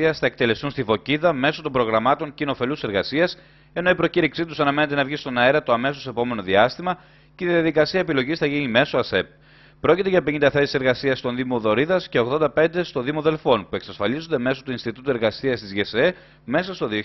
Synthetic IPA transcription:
iɐsθɐek̚t̪e̞le̞st̪unst̪ivo̞ciðɐme̞so̞t̪o̞mbɾo̞ɣɾɐmɐt̪o̞ɲcino̞fe̞luse̞ɾɣɐsiɐs | e̞noipɾo̞ciɾiksit̪usɐnɐme̞ne̞t̪e̞nɐvʝist̪o̞nɐeɾɐt̪oɐmesosepo̞me̞no̞ðiɐst̪imɐ | ceiðiɐðikɐsiɐep̬ilo̞ʝisθɐʝinime̞soɐse̞p̚ | pɾo̞cit̪e̞ʝɐpiɲind̪ɐθe̞si̥se̞ɾɣɐsiɐst̪o̞nðimoðo̞ɾiðɐsce̞o̞ɣðo̞nd̪ɐpe̞nd̪e̞st̪o̞ðimoðe̞lfo̞npue̞ksɐsfɐlizond̪e̞me̞so̞t̪uinst̪it̪ut̪ue̞ɾɣɐsiɐst̪izʝese | me̞sɐst̪o̞ðio

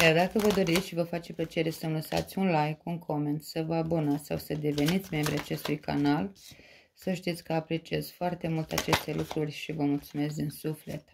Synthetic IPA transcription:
jard̪akəvəd̪o̞ɾit̪sʲʃivəfat͡ʃplət͡ʃe̞ɾe̞sənləsa̰t̪sʲunlajkunkʰo̞me̞nt̪səvəabonasawsəd̪e̞ve̞nit̪sʲme̞mbɾiat͡ʃe̞st̪ujka̰nal | səʃt̪it̪sʲkəapɾe̞t͡ʃiez̥foart̪e̞mult̪eat͡ʃe̞st̪e̞lukɾurʲʃivəmult̪sume̞s̬kd̪insufle̞̰t̪

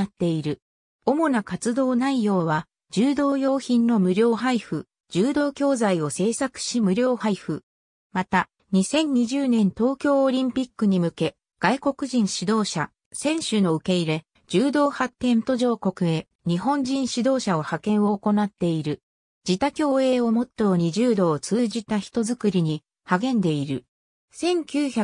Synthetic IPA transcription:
at̪ːe̞iɾɯ̟ | o̞mo̞nakat͡sɨd̪o̞ːnaijo̞ːβa | d͡ʑɨːd̪o̞ːjo̞ːçĩnːo̞mɯ̟ɾʲo̞ːɦaiɸɯ̟̰ | d͡ʑɨːd̪o̞ːkʲo̞ːzaio̞se̞ːsakɯ̟̥ɕimɯ̟ɾʲo̞ːhaiɸɯ̟ | mat̪a | ɲ̟isẽ̞ɲ̟ɲːiʑɨːnẽ̞nt̪o̞ːkʲo̞ːɾʲĩmpʲikːɯ̟ɲ̟imɯ̟ke̞ | ɡ̥aiko̞kɯ̟ʑĩɰ̃ɕid̪o̞ːɕa̰ | sẽ̞ɰ̃ɕɨno̞ɯ̟ke̞iɾe̞ | d͡ʑɨːd̪o̞ːhat̪ːẽ̞nt̪oʑo̞ːko̞kɯ̟e̞ | ɲ̟iɦõ̞ɲd͡ʑĩɰ̃ɕid̪o̞ːɕao̞hakẽ̞ɰ̃o̞ːko̞nat̪ːe̞iɾɯ̟ | d͡ʑit̪akʲo̞ːe̞ːo̞mo̞t̪ːojoɲ̟iʑɨːd̪o̞ːt͡sɨːʑit̪açi̥t̪o̞zɨkɯɾʲiɲ̟i | haɡẽ̞nd̪e̞iɾɯ̟ | sẽ̞ŋkʲɨːça

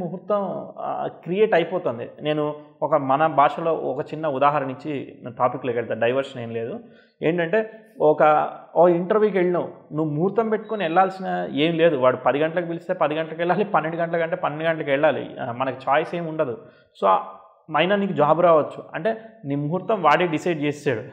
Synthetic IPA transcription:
muɦuɾt̪ʋɐm | kɾijeːʈɐjpɔːt̪oːnd̪ḭne̞ːnuɔkɐmɐnɐbʱaːʂɐlo̞ːɔkɐt͡ʃinːɐud̪aːɦaːɾɐniɲt͡ʃːit̪aːpikːlokɛɭt̪aːɖɐjʋɐɾʂɐneːmle̞ːd̪u | e̞ːɳʈɐɳʈe̞ː | ɔkɐokiɳʈɐɾʋjuːk̬eɭːinɐʋunuʋːumuɦuɾt̪ɐmpe̞ʈːu̥koniɛɭːaːlsinaeːmile̞ːd̪uʋaːɽupɐd̪iɡɐɳʈɐlɐkipilist̪eːpɐd̪iɡɐɳʈɐlɐkɛɭːaːlipɐnːeɳɖuɡɐɳʈɐlɐkɐɳʈ̬eːpɐnːeɳɖuɡɐɳʈɐlɐkɛɭːaːlḭmɐnɐkit͡ʃaːjse̞ːmuɳɖɐd̪u | soː | mɐjnɐniːkud͡ʒaːbuɾaːʋɐt͡ʃːuɐ̰ɳʈe̞ːnimuɦuɾt̪ɐmʋaːɽeɖisɐjɖ̚t͡ʃeːaːɽu

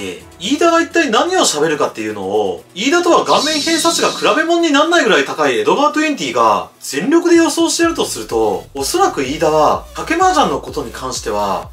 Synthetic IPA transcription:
ḛ | iːd̪aɡait̪ːainaɲ̟io̞ɕabe̞ɾɯ̟kat̪ːe̞jɯ̟no̞̰ːiːd̪at̪o̞βaɡãmːẽ̞ɰ̃hẽ̞ɰ̃sat͡sɨɡakɯ̟ɾabe̞mõ̞ɲ̟ːinãnːaiɡɯ̟ɾait̪akaie̞d̪o̞baːt̪oĩɲt̪ʲiːɡa̰ | z̥ẽ̞nɾʲo̞kɯ̟d̪e̞jo̞so̞ːɕi̥t̪eɾɯ̟t̪o̞sɨɾɯ̟t̪o̞ːso̞ɾakɯ̟iːd̪aβakake̞maːʑãnːo̞ko̞t̪o̞ɲ̟ikʰãɰ̃ɕi̥t̪e̞β̞a̰

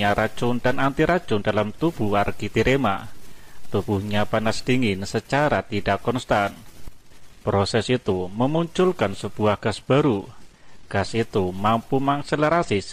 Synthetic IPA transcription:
aɾḁt͡ʃʊndanant̪iɾḁd͡ʒʊndalamt̪ub̥uarɡit̪iɾema | t̪ub̥uhɲapanasd̥iŋɪnsət͡ʃaɾat̪idakːɔnst̪an | pɾosɛsit̪uməmuɲt͡ʃʊlkansəb̥uahɡ̥asb̥aɾu | ɡ̥asit̪umampumakseləɾasɪs

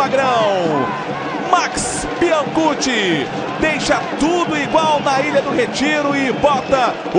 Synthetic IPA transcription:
aɡɾɐ̃w̃ | maks | piɐ̃ɡut͡ʃɪ | d̪ejʃɐt̪ud̪ʊiɡwawnɐiʎɐd̪ʊɦet͡ʃiɾʊɪbɔt̪ɐ

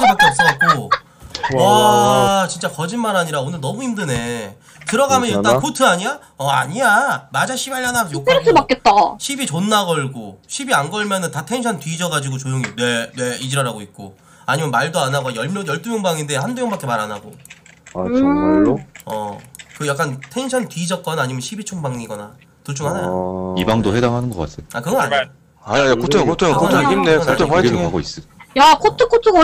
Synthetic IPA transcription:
ɯbak͈eʌp̚s͈ʌʌt̚k͈o | a | t͡ɕint͡ɕ͈akʌd͡ʑinmaɾaɲiɾaonɯɭnʌmuindɯne̞ | kɯɾʌɡamjʌnit͈ankʰotʰɯaɲija | ʌa̰ɲiamad͡ʑaɕʰibaɭːanasjokɯɾʰɯbak͈ʌt̚t͈aɕʰibit͡ɕonːaɡʌɭɡoɕʰibianɡʌɭmjʌnɯntatʰe̞ŋɕʰʌntɥiːd͡ʑʌɡad͡ʑiɡot͡ɕojoŋine̞ne̞id͡ʑiɾʌɾaɡoit̚k͈o̰ | aɲimjʌnmaɭdoanaɡajʌɭmjojʌɭt͈umjoŋbaŋinde̞handumjʌŋbak͈ʰe̞maɾanaɡo | ʌ̰kɯjak͈antʰe̞ŋɕʰʌntɥid͡ʑʌk͈ʌnaɲimjʌnɕʰibit͡ɕʰoŋbaŋiɡʌna | tuɭt͡ɕ͈ʰoŋhanajibaŋdoɸedaŋɦanɯnɡʌk͈a̰s͈ʰejoakɯɡʌaɲ | aajakʰotʰokʰotʰokʰotʰokimneaotʰoaiɡʰŋaɡois͈ɯjakʰotʰɯk͈ʰotʰɯɡ

